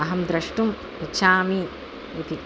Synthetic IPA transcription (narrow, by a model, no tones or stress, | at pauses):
ɐɦɐmd̪ɾɐʂʈum | it͡ʃʰaːmi | it̪i